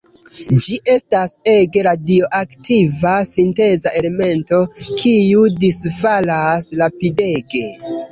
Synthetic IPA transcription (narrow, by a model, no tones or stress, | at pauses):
d͡ʒiʔe̞stase̞ɡe̞ɾadio̞ʔaktʰivasinte̞zaʔe̞le̞me̞nto̞kʰiudisfalaslapide̞ɡe̞